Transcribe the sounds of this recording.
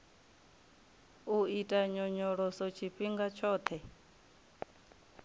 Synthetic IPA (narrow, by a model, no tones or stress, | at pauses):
uitʼaɲɔɲɔɺɔsɔt͡ʃʰiɸiŋɡat͡ʃʰɔːt̪ʰɛ